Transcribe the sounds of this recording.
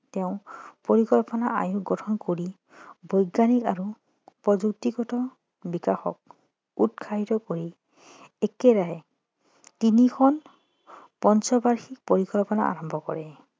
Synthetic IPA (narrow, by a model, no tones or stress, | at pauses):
teʊ̃poɹikɔlpɔnaʔajuɡɔtʰɔnkoɹi | bɔjɡanikaɹu | pɹɔd͡ʒuk̚tiɡɔtɔ | bikaxɔ̰k̚ | utkʰaɦitɔkoɹi | ekɛɾaɦɛ | tinikʰɔn | pɔnsɔbaɹxik̚poɹikɔlpɔna̰ʔa̰ɹɔmbʱɔkɔ̰ɹɛ